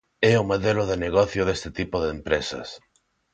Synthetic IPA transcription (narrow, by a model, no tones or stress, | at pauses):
ɛʊmoðelʊðeneɣɔθjʊðest̪ɪt̪ipoðeempɾesɐ̰s